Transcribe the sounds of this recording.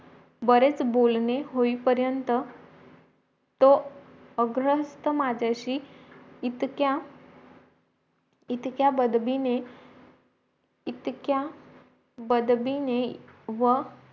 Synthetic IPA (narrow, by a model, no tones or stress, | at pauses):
bəɾet͡sbolneɦoipəɾjənt̪ə | t̪o | əɡɾəɦst̪əmad͡ʑʱaɕiː | t̪kja | it̪kjabəd̪bine | it̪kja | bəd̪bineʋə